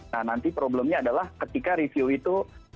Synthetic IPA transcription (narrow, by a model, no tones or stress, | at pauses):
anant̪ipɾoblɛmɲaːdalahkət̪ikaɾifioit̪u